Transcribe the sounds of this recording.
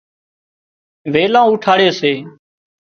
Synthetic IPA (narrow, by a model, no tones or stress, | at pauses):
ʋeːlãːuːʈʰaːɽeːseː